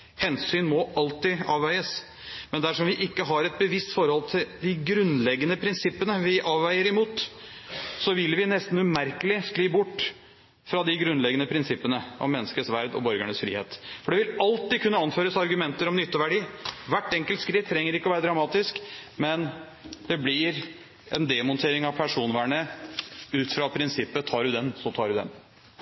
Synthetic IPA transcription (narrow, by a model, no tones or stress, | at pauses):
hɛnsyːnmɔɑlt̪ɪɑːʋːæɪəs | mɛnd̪æʂɔmʋɪʔɪkːəɦɑɾɛt̪̚bəʋɪst̪fɔɾhɔlt̪ʰɪld̪ɪɡɾʉnlɛɡːənəpʰɾɪnsɪpːənəʋɪʔɑːʋːæɪəɾɪmuːt̪ | sɔʋɪlʋɪnɛst̪n̩ʉmæɾkəlɪskliːbʊʈː | fɾɑd̪ɪɡɾʉnlɛɡənəpʰɾɪnsɪpːənəɔ̰mːɛnːəskəsʋæɾd̪ɔ̰bœɾɡəɳəsfɾḭːhḛːt̪fɔɖɛʋɪlɑlt̪ɪkʰʉnːəɑnføːɾəsɑɾɡʉmɛnt̪əɾɔmnʏt̪ːəʋæɖiːʋæʈːɛŋkəlt̪skɾɪt̪ʰːɾɛŋːəɾɪkːəɔʋæːɾəd̪ɾɑmɑːt̪ɪskmɛn | d̪̥ɛblɪɾ | ɛnd̪ɛmɔnt̪ʰeːɾɪŋɑʋpʰæʂuːnʋæːɳə | ʉːt̪fɾɑpʰɾɪnsɪpːət̪ʰɑːɖʉd̪ɛnsɔt̪ʰɑːɖʉd̪ɛ̰n